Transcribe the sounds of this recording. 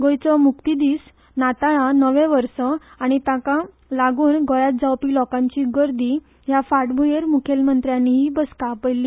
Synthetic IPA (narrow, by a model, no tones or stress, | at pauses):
ɡɔjt͡sɔmukt̪id̪iːs | nat̪aɭanəʋẽʋəɾsɔ | aɽ̃it̪ãka | laɡuːnɡɔjat̪̚d͡zawpiːlɔkãɲt͡ɕiɡəɾd̪i | jafaʈbʱujeɾmukʰelmənt̪ɾjãnːiɦiːbəskapəjlːiː